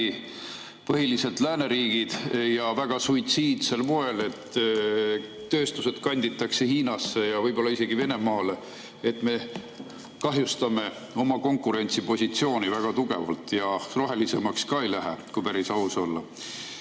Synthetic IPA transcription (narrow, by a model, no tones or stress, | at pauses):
i | pɤɦilise̞d̪læːne̞ɾiːɡ̥id̪̥jɑvæɡ̥ɑsujt̪siːd̪̥se̞lmo̞e̞le̞t̪ | ø̞ːst̪use̞d̪̥kɑnʲd̪̥it̪ːˑɑkse̞hiːnɑsːe̞jɑvɤjbo̞lːɑise̞ɡive̞ne̞mɑːle | et̪ˑme̞ | kɑɦjust̪ɑme̞ | o̞mɑko̞ŋkːˑuɾe̞nʲt̪sipo̞sʲit̪sio̞ːnivæɡ̥ɑt̪uɡ̥e̞̰vɑ̰lt̪ˑjɑro̞ɦe̞lise̞mɑkskɑːejlæɦḛkujpæɾisɑuso̞lːɑ